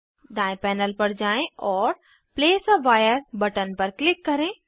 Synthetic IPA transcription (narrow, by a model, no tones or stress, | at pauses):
d̪aːɪ̃pɛːnəlpɐɽd͡ʑaːẽɔːɾ | pleːsʋaːjəɾbɐʈən̆pɐɾklɪkːɐɾẽ